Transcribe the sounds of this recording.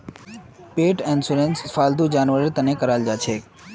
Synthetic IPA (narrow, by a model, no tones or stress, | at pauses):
peːʈɛnsʊɾẽnsfaːld̪ud͡ʒaːnʋəɾeɾt̪ənekəɾaːld͡ʒaːt͡ʃʰeː